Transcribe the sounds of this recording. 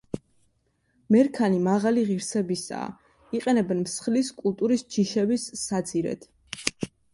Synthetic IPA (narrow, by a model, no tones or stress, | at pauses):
mɛɾkʰanimaʁaliʁiɾsɛbisa̰ː | iqʼɛnɛbɛnmsχliskʼulˠt̪ʼuɾisd͡ʒʰiʃɛbisːad̪ziɾɛ̰t̪ʰ